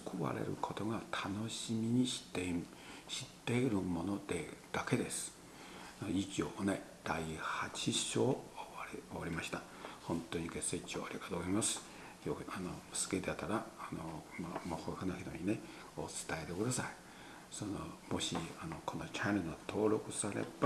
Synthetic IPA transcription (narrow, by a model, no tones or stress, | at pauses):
kʰoβa̰ɾḛɾɯ̟̰kʰo̞t̪o̞ɡat̪ʰano̞ɕimʲiɲ̟iɕi̥t̪ːe | ɕi̥t̪ːe̞iɾɯ̟mo̞no̞d̪̥ed̪̥ake̞d̪e̞sɨ̥ | it͡ɕioːned̪̥aihat͡ɕiɕo̞ːɾoβaɾʲimaɕi̥t̪a | hõ̞nt̪ːoɲ̟iɡe̞seit͡ɕioːaɾʲiɡat̪oːɡozaimasɨ̥ | joanosɨ̥ket̪eat̪aɾaanomamohohɯnoçit̪o̰ɲ̟ine̞ | ot͡sɨ̥t̪ae̞t̪e̞kɯ̟d̪asai | sonomo̞ɕiano̞kʰo̞not͡ɕanenat̪ʰo̞ːɾo̞kɯ̟saɾḛba